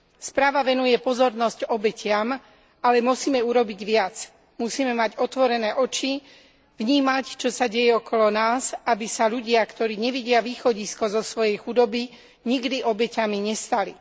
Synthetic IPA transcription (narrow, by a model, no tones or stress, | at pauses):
spɾaːʋaʋɛnujɛpɔzɔɾnɔscɔbɛcɪam | alɛmusiːmɛuɾɔbiɟʋɪat͡s | musiːmɛmaɟɔt̪ʋɔɾɛnɛːʔɔt͡ʃi | ʋɲiːmact͡ʃɔsaɟɛjɛɔkɔlɔnaːzabisaʎuɟɪakt̪ɔɾiːɲɛʋiɟɪaʋiːxɔɟiskɔzɔsʋɔjɛjxud̪ɔbi | ɲiɡd̪iʔɔbɛcamiɲɛst̪ali